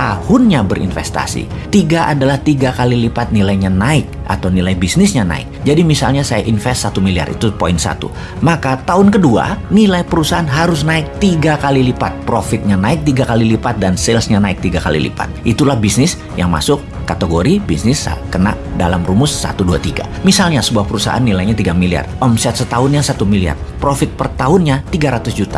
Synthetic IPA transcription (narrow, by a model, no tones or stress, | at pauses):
t̪ahʊnɲabəɾḭnfɛst̪a̰sḭ | t̪iɡaʔadalaht̪iɡakalilipat̪̚nilajɲanaɪk̚ | ʔa̰t̪awnilajbisnɪsɲana̰ɪ̰k̚d͡ʒadimisa̰lɲasaja̰ʔinfɛst̪sat̪umilia̰rʔḭt̪upoinsa̰t̪ṵ | makat̪aɦʊnkədua̰nilajpəɾusaɦanɦaɾʊsnaɪk̚t̪iɡakalilipat̪̚pɾofɪt̪̚ɲanaɪk̚t̪iɡakalilipat̪̚dansɪlsɲanaɪk̚t̪iɡaka̰lḭlḭpa̰t̪̚ʔit̪ulahbisnɪs | jaŋma̰sʊkːat̪əɡoɾibisnɪsa̰kəna̰ʔda̰lamrumʊsːa̰t̪udua̰t̪iɡa̰misalɲasəbuahpəɾusa̰ɦa̰nːilajɲat̪iɡamilia̰rɔmsɛt̪sət̪aɦʊnɲasat̪umilia̰rpɾofɪt̪̚pərt̪aɦʊnɲat̪iɡaɾat̪ʊsd͡ʒut̪a